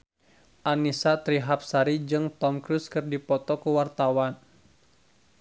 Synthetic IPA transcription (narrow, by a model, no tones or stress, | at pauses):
ʔanisat̪ɾiɦap̚saɾid͡ʒɨŋt̪ɔmkɾuskɨrdipɔt̪ɔkuwart̪awan